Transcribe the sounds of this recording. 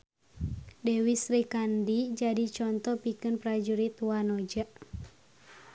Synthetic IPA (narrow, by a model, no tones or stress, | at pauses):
dɛwisɾikandid͡ʒadit͡ʃɔnt̪ɔpikɨnpɾad͡ʒuɾit̪wanɔd͡ʒaʔ